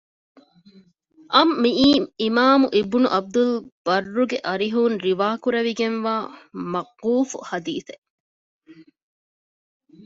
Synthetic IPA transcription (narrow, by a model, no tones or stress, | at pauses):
ʔɐmːiiːimaːmuʔibunṵʔɐb̚d̪ulb̥ɐrːuɡeʔɐɾiɦuːnɾiʋaːkuɾɐʋiɡenʋaːmɐqːuːfṵhɐd̪iːθe